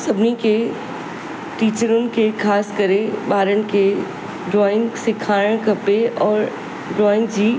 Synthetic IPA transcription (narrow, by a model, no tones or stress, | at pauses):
sɐbnike | ʈiːt͡ʃəɾʊ̃nkekʰaːskəɾẽbaːɾəñke | ɖɾɔːɪ̃ŋɡsɪkʰaːɽəɽ̃kɐpeɔːɾ | ɖɾɔːɪ̃ŋɡd͡ʒiː